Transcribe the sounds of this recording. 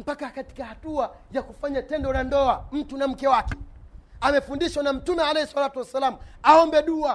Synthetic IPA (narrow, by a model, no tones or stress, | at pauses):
m̩pakakati̥kahatuajakufaɲatɛndɔɾandɔam̩tunam̩kɛwakɛ̥amɛfundiʃwanam̩tumɛalɛhɛswalatuwɛsalamuaɔmbɛɗua